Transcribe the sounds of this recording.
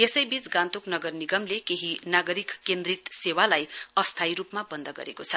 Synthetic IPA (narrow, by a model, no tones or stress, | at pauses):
esʌjbit͡sɡãnt̪uknʌɡʌrniɡʌmlekeɦinaɡʌɾikːend̪rit̪sewalajʌst̪ʰajɾupmabʌnd̪ʌɡʌ̰ɾekot͡sʰʌ